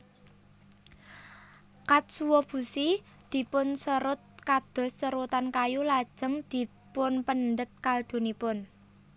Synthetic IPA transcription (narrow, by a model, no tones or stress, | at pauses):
kat̪̚suwɔb̥ṳsi | d̪̥i̤pʊnsəɾʊt̪̚kad̪̥ɔ̤sːəɾut̪ankajulad̥ʒ̥ə̤ŋd̪̥i̤ | pʊnpənd̪ət̪̚kald̪̥o̤nipʊn